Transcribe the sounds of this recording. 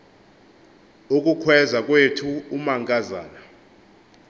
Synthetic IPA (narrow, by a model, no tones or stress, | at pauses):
ukʼukʰwɛzak̬ʼwetʰuːmaŋkʼaza̰ːna